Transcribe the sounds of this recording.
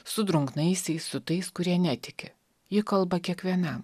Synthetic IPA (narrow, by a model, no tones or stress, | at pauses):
sʊd̪ɾʊŋknɐɪsʲɛɪsʊt̪ɐɪskʊɾʲiɛnʲæt̪ʲɪkʲɪ | jɪkɐlˠbɐkʲiɛkʋʲiɛnɐm